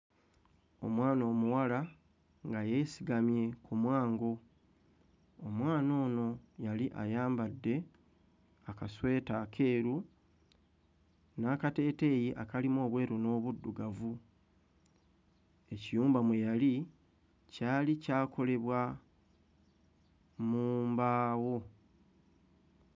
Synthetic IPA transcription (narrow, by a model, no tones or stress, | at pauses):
o̞̰mwaːno̞ːmuwala | ŋɡajesiɡamje̞kumwaːŋɡo̞ | omwaːno̞ːno̞jaliʔa̰jaːmbadːe̞ | akaswe̞ːtakʰe̞ːɾu | naːkate̞ːte̞ːjiʔakalimo̞ːβwe̞ːɾuno̞ːβudːuɡavu | e̞cijuːmbamwe̞jali | caːlicaːkʰo̞le̞βwa | muːmbaːwo̞